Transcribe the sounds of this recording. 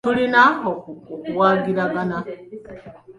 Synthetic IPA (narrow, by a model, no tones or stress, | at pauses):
tuɾinaɦɔkuwaɡiɾaɡana